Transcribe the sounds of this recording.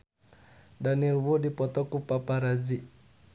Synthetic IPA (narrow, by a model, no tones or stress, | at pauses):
danilwudipɔt̪ɔkupapaɾazi